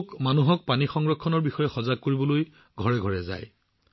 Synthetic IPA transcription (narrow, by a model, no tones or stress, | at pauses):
kmanuɦɔk̚panixɔŋɹɔkʰːɔnɔɹbixɔjɛxɔzaɡ̚kːoɹibɔloj | ɡʱɔɹɛɡʱɔɹɛza̰j